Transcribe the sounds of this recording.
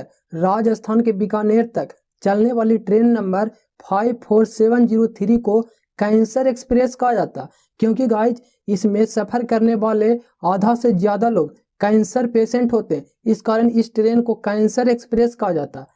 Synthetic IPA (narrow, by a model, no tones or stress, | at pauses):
ɾaːd͡ʒəst̪ʰaːnkebɪkaːneːɾt̪ək | t͡ʃɐlneʋaːliʈɾeːnːə̃mbəɾ | pʰaːibpʰoːɾseːʋənd͡ʒiːɾot̪ʰɪɾiko | kɛ̃ːnsəɾekspɾeːskad͡ʒaːt̪a | kjõːkiɡaːɪd͡ʒ | ɪsmẽsɐpʰəɾkəɾneʋaːle | aːd̪ʱasezjaːd̪aloːɡ | kɛ̃ːnsəɾpeːsẽɳʈɦoːt̪eɦɛ̃ | ɪskaːɾəɳ̃ɪsʈɾeːnkokɛ̃ːnsəɾekspɾeːskad͡ʒaːt̪a